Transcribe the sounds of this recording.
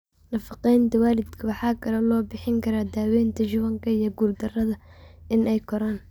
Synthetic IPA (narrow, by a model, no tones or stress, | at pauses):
nɐfɑqɛjnt̪ʰɐwaːlɪd̪kʰɐwɑħɑːkʰɐlɛlɔːbɪħɪŋkʰɐɾaːd̪aːwɛːnt̪ʰɐt͡ʃʊβɐŋkʰɐijɔɡuːrd̪ɐrɐðɐɪnʔɛjkʰɔɾaːn